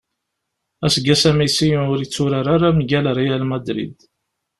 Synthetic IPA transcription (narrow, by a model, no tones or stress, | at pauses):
æsɡæsæmisijʊɾit͡sːʊɾaɾaɾamʝælaɾˤijælmæd̪ɾḭd̪